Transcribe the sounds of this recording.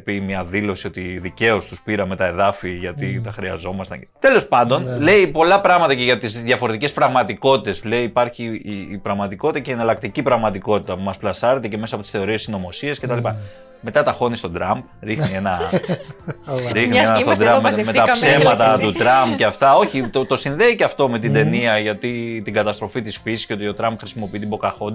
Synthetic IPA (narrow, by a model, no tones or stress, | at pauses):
pimɲɐðilo̞sio̞t̪iðice̞o̞st̪uspiɾɐme̞t̪ɐe̞ðɐfiʝɐt̪it̪ɐxɾiɐ̰zo̞mɐst̪ɐ̰t̪e̞lo̞spɐnd̪o̞nle̞ipo̞lɐpɾɐɣmɐt̪ɐceʝɐt̪izðjɐfo̞ɾe̞t̪ice̞spɾɐɣmɐt̪iko̞t̪i̥t̪e̞sleiːpɐɾçiːpɾɐɣmɐt̪iko̞t̪it̪ɐceːnɐlɐk̚t̪icipɾɐɣmɐt̪iko̞t̪it̪ɐpumɐsplɐsɐɾe̞t̪e̞ce̞mesɐpoi̥sθe̞o̞ɾiessino̞mo̞sie̞sce̞t̪ɐlipɐ | me̞t̪ɐt̪ɐxo̞nist̪o̞d̪ɾɐmb̚ | ɾixnienɐ | ɾixniesnɐst̪sd̪ɾɐmmmet̪ɐssemɐt̪ɐt̪ut̪ɾɐmbceɐft̪ɐo̞çit̪ot̪o̞sinðe̞iceɐft̪o̞me̞t̪ind̪e̞niɐʝɐt̪it̪iŋɡɐt̪ɐst̪ɾo̞fit̪isfisiscʲeo̞t̪io̞t̪ɾɐmpxɾisimo̞piit̪ibo̞kɐxond̪